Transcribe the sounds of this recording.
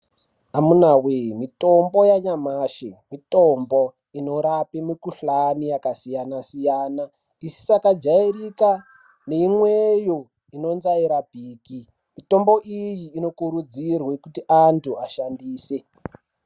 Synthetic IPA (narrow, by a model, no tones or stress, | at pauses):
amunaweimito̞mbo̞jaɲamaːʃemitombo | ino̞ɾapemikuɬanijakasijanasijaːna | isi̥sakad͡ʒairika | ne̞imwejo | ino̞nzaiɾabʱiːki | mito̞mbo̞ʔijiːno̞kuɾud͡zirwekutiʔantʰuaʃandiːse̞